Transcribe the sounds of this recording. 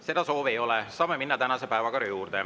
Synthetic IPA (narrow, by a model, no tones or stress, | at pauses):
se̞d̪̥ɑso̞ːvejo̞lɛsɑːmeminːɑt̪ænɑse̞pæevɑkɑɾijuːrd̪̥e